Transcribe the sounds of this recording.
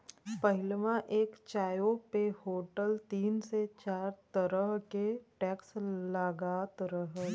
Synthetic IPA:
pɐɦɪlmãʔeːkt͡ʃaːjopehoːʈəlt̪iːnset͡ʃaːɾt̪əɾəɦkeʈɛːkslaːɡaːt̪əɾəɦ

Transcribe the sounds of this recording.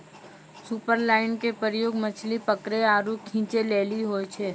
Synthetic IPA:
supəɾlaːɪnkepəɾjoːɡmət͡ʃʰlipəkɾeaːɾukʰĩːt͡ʃeleːliɦoːet͡ʃʰeː

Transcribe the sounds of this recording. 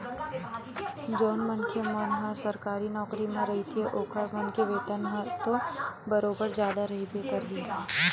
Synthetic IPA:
d͡ʒoːnmənkʰemənɦə̃səɾkaːɾinɔːkɾimẽɾɐɦit̪ʰeʔoːkʰəɾmənkeʋeːt̪ənɦət̪obəɾoːbəɾd͡ʒjaːd̪aɾɐɦibʱekɐɾɦi

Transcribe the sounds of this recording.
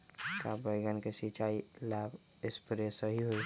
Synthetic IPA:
kabəɡənkesit͡ʃailab | ɪspɾesəɦiɦoi

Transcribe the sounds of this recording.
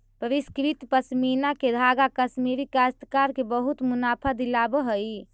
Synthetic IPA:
pəɾiskɾit̪pəsminaked̪ʱaɡakəsmiɾikast̪əkaɾkebəɦut̪munapʰad̪ilabəɦəj

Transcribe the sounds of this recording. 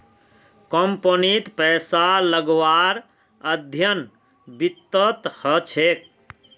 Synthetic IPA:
kɔmponit̪pɛsaləɡʋaɾ | əd̪ʱjən | bit̪ːət̪hət͡ʃʰek̚

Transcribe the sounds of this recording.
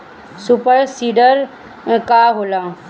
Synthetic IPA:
supəɾsiːɖəɾ | kaɦoːlaː

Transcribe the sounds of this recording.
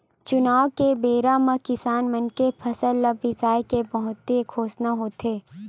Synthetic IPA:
t͡ʃʊnaːʋkebeːɾaːmakɪsaːnmɐnkepʰɐsəlːəbɪzaːjkebɐɦʊt̪ːekʰoːsnaɦoːt̪eː

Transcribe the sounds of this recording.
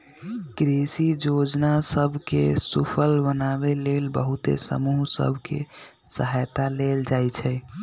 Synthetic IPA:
ɡɾesid͡ʒod͡ʒnasəbʱkḛsupʰəlbənaβelelbəɦut̪ḛsə̰muɦsə̰bʱkḛsəɦajt̪aleld͡ʒajt͡ʃʰɛ

